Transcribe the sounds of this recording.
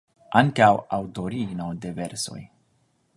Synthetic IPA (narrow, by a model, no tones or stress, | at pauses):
ʔaŋkawawd̪oɾiɡnod̪eveɾso̞̰j